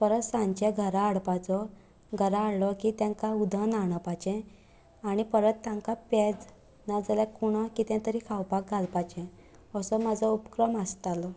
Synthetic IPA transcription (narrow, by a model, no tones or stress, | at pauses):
pəɾət̪sãɲt͡ɕɛɡʱəɾaːɽpat͡sɔ | ɡʱəɾaːɽlɔkit̪jãŋkaud̪ʱənaɽ̃əpat͡ɕɛ̃ | aɽ̃ipəɾət̪ːãŋkapɛd͡z | nad͡zaljakuɽ̃ɔkit̪ɛ̃t̪əɾiːkʰawpak̚ɡʱalpat͡ɕɛ̃ | əsɔmad͡zʱɔupkɾəməst̪alɔ